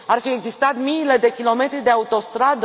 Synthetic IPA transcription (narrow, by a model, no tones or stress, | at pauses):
arfie̞ɡzist̪at̪mile̞d̪e̞kʲilo̞me̞t̪ɾid̪e̞aut̪o̞st̪ɾad̪